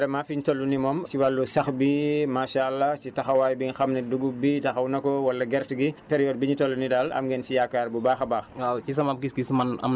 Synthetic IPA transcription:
ɾɛmaːfiɲtolːunimɔːmsiwalːusɐxbimaːʃalːasitɐxɐwaːjbiɲxɐmnɛduɡubitɐxɐwnɐkɔwɐlːɐɡɛrtɡipɛɾijɔːd̚biɲitɔlːunidaːlɐ̰mɡɛːnsijakːaːɾbubaːxɐbaːxwawt͡ʃis̬ɐmap̚ɡisɡismɐnɐ̰m

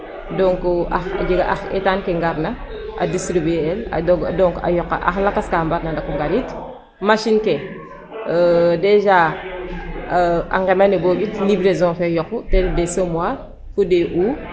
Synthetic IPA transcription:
doŋkoaxa̰d͡ʒiɡaa̰xḛtankeŋɡaɾna | a̰distɾibela̰doɡdoŋka̰jɔkːa̰ʔa̰xlakaskambatnandakuŋɡaɾit | maʃinke | deʒa | a̰ŋɡemanebobitnibɾezɔ̃fejɔkːuteddesomwa | fudeʔu

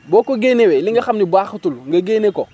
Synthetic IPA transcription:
boːkoɡeneweliŋɡaxamnibaxutulŋɡaɡeːneko

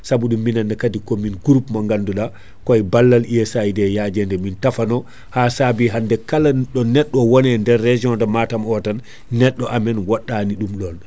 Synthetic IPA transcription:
sabuɗumːinanːakadikɔminɡuɾupmaŋɡanduɗa | kɔjbalːaliɛsajdɛjad͡ʒɛndɛmintafanɔ | hasabiɦandɛkalaɗɔnɛɗːɔwɔnɛndɛɾːɛd͡ʒiɔ̃ndamatamɔtanː | ɛɗːɔʔamɛnwaɗːaniɗumɗɔn

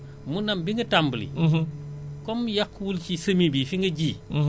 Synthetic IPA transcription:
munɐmbiŋɡɐtambəlḭ | kɔmjakːwult͡ʃisɐmibifiŋɡɐɟiː

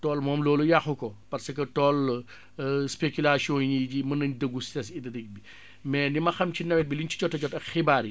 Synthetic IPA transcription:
tɔːlmɔːmlɔːlujaxukɔpɐɾsɐkɐtɔːl | spekulasiɔ̃njiɟimɐnɐɲdəɡːustɛsidɐdɛk̚bi | mɛːndimɐxɐmcinɐwɛt̚biliɲt͡ʃi̥t͡ʃɔtːɐt͡ʃɔtɐkxibaːɾi

